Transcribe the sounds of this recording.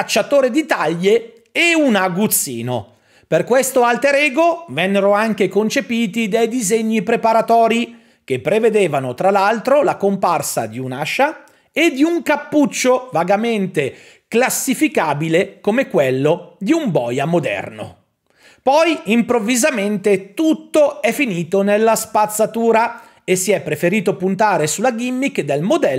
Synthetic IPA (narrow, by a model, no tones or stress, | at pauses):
at͡ʃːat̪oːɾed̪it̪aʎːe | eunaɡut̪sːḭːno̰ | perkwest̪oalt̪eɾeːɡovɛnːeɾoaŋkekont͡ʃepiːt̪id̪ejd̪izeɲːipɾepaɾat̪ɔːɾi | k̟epːɾeved̪eːvanot̪ɾalalt̪ɾolakomparsa̰d̪iunaʃa | ed̪ːiuŋkapːut͡ʃːovaɡament̪e | klasːifikaːbilekomekwelːod̪iumbɔ̰ːjamod̪ɛ̰rno̰ | pɔjimpɾovːizament̪et̪ut̪ːoɛfiniːt̪onelːaspat̪sːat̪uːɾa | esiɛpːɾefeɾiːt̪opunt̪aːɾesulaɡimːikd̪elmod̪ɛ